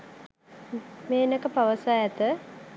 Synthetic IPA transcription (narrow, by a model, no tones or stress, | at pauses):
meːnəkəpaʋəsaːɛt̪ə